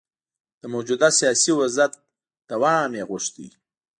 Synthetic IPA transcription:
d̪̥əmod͡ʒud̪asijɑsiwʊzat̪̚ | d̪̥awɑɳɑ̃meɣʊʃt̪ḭ

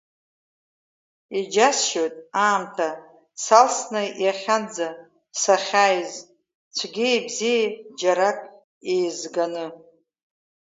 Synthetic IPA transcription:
id͡ʒasʃojtʼaːmtʰa | salsnɨjaχʲand͡za | saχʲajz | t͡ʃʷʰɡʲiebzijad͡ʒaɾakʼ | ejzɡanɨ

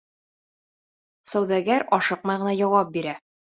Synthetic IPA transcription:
sæwðæɡæɾɒʃɤq̚mɑjʁɤ̆næjɒwɑp̚biɾæ

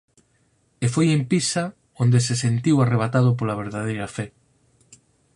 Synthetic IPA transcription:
efojempisa | ond̪esesent̪iwareβ̞at̪að̞ʊp̬olaβ̞eɾðaðejɾɐfɛ

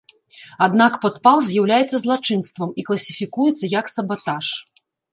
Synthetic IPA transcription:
ad̪nakpɔt̪palˠzʲjawlʲajɛt̪sːɐzlˠat͡ʂɨnst̪vɐmiklˠɐsʲifʲikujɛt̪sːɐjɐksɐbat̪aʂ

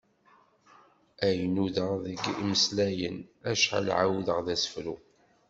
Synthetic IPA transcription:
æjənuðəʁðəɡiməslæjənæʃħa̰lʕa̰wðəʁðæsə̥fɾu

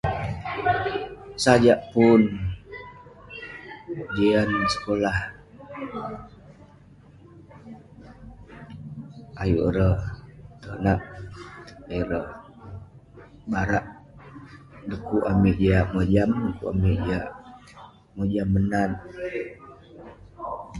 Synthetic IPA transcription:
sad͡ʒaʔpun | d͡ʒeansə̥kolah | ajuʔɾət̪ənaʔ | jɾə | baɾaʔ | dəkuʔamiʔd͡ʒeaʔmod͡ʒamdəkṵa̰miʔd͡ʒeaʔ | mod͡ʒamːənan

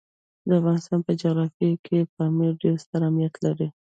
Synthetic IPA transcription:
d̪əafɣɑnɪst̪ɑnpəd͡ʒaɣɾɑfjakʰepəmiɖelst̪əɾamnijat̪laɾi

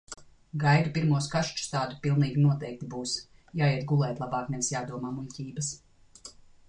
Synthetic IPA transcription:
ɡajd̪upiɾmuɔskaʃt͡ʃst̪aːd̪upilˠniːɡʲinuɔt̪ɛjk̚t̪ibuːs | jaːjiɛt̪̚ɡulˠɛːt̪lˠabɑːkmɛnsjaːd̪uɔmaːmuncʲiːbɐs

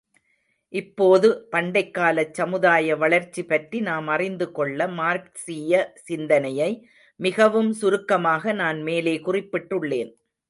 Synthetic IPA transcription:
ʔɪpːoːðɯpɐɳɖɐɪkːaːlɐt͡ʃːɐmɯðaːjɐʋɐɭɐɾt͡ʃːipɐʈrinaːmɐrɪnd̪ɯkɔɭːɐmaːɾksijɐsɪnd̪ɐnɐjɐɪ | mɪɣɐʋɯmsʊɾɯkːɐmaːɣɐnaːnmeːleːkʊrɪpːɪʈːɯɭːḛːn

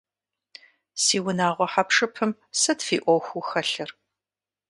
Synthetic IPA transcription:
siːwʊnaːʁʷɔħapʂɨpʰɨm | sɐtfiːʔʷɔxʷuxɐɬɨr

